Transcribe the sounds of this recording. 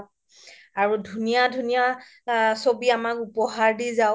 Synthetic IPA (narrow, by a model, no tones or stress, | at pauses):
aɹudʱunijadʱunija | sobiamakupɔɦaɹdizaʊ